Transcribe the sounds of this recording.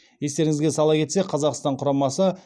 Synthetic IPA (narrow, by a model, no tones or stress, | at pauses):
je̞st̪e̞ɾɪŋɪzɡʲe̞sɑlˠɑkʲʰe̞t̪se̞qʰɑzɑqst̪ɑɴqʰʊɾɑmɑsə